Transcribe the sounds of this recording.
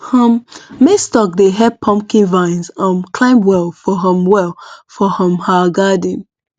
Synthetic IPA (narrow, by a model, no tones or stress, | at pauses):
hə̃mːestɔk̚deɦɛd̚pʰɔ̃mpkĩnvãɪ̃nzãnkʰl̥ãɪ̃mwɛlˠfɔɦə̃mwɛlˠfɔhə̃mhaɡadĩn